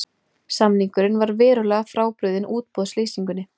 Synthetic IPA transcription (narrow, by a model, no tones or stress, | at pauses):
samniŋkʏɾɪnvaɾvɛːɾʏlɛːɣafɾaːwpɾʏɥðɪnʔuːt̪̚pɔðsliːsiŋkʏnːɪ